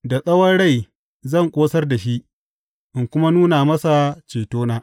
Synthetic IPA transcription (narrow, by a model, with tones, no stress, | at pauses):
da˨sʼɐ˦wɐ˦nɽa˦˨j | zɐ˦˨ŋkʷʼoː˦sɐ˦rda˨ʃi˦ʔ | ʔɪ˨ŋkʷʊ˦ma˦nuː˦na˨mɐ˦sa˨t͡ʃeː˨toː˦naː˦